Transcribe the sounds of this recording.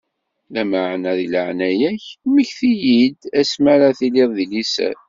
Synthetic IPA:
læmaʕnæðiləʕnæjæçməçθijid̪æsmæɾaθilɪðˤðilisæ̰

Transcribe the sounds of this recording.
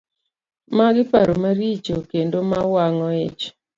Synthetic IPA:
maɡɪpaɾomaɾit͡ʃokendomawaŋɔɪt͡ʃ

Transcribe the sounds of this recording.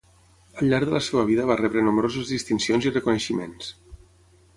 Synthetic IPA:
əlʎːaɾðələseβəβ̞iðəβ̞arɛβɾənumɾozəzðist̪insionzirəkunəʃimḛns

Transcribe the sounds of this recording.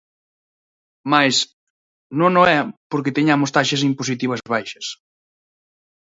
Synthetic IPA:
majs | nõŋnoɛpoɾkɪt̪eɲamʊst̪aʃɐs̬impos̬it̪iβɐzβajʃɐs

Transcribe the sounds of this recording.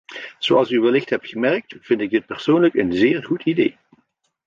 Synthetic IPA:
z̥oɑlˠsyʋəlɪxtɦɛp̚tχəmɛrk̚tv̥ɪntɪɡ̚dɪt̚pɛrsoːnləkənzɪːrχutidej

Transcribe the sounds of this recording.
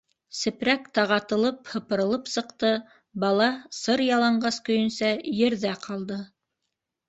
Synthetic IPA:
sɘ̆pɾækt̪ɑʁɑt̪ɤ̆lˠɤphɤ̆pɤ̆ɾɤ̆lˠɤpsɤ̆q̚t̪ɤ | bɑlˠɑsɤɾjɑlˠɑɴɢɑskɵ̆jɵ̆nsæjɘ̆ɾðæqʰɑlˠd̪ɤ

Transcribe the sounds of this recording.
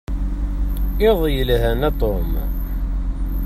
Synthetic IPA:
ɪðˤjəlɦænæt̪ˤom

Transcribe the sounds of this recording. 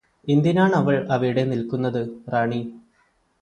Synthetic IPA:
ind̪jinaːɳɐʋɐɭɐʋɐɾiɽe̞nilkunːɐðɨraːɳi

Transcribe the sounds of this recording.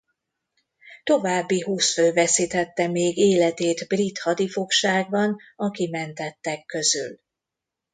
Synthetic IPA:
t̪o̞vaːbːiɦuːsføːvɛsit̪ɛt̪ːɛmeːɡeːlɛt̪eːt̪brit̪hɒd̪ifo̞kʃaːɡ̚bɒnɒkimɛnt̪ɛt̪ːɛkːø̞zy̰l

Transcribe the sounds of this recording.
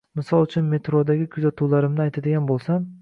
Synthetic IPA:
mɪsɒlˠʊt͡ʃʰʊnme̞t̪ɾod̪aɡʲɪkʰʊzat̪ʰulaɾɪmnɪajt̪ʰad̪ɪɡʲanbolˠsam

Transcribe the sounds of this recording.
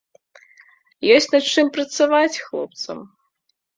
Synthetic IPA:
jɔsʲt͡sʲnɐt̪t͡ʂɨmpɾɐt̪savat͡sʲxlˠɔ̰p̚t̪sɐ̰m

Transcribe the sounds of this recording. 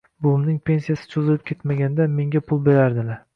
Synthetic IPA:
bʊlˠɪmnɪŋpʰe̞nsijasɪ̥t͡ʃʰozɪlɪp̚kʲʰe̞t̪maɡʲand̪ame̞ŋɡʲapʰʊlˠbe̞ɾaɾd̪ɪlaɾ

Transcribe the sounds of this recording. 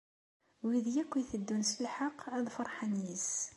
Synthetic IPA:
wiðjækʷːiθəd̪ːunsəlħaqːæðˤfəɾˤħanjis

